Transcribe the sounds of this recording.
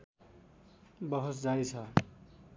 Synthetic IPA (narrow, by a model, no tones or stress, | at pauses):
bʌɦosd͡zajt͡sʰʌ